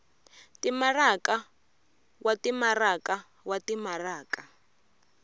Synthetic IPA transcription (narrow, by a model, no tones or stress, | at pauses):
timaraka | watimaraka | watimaraːka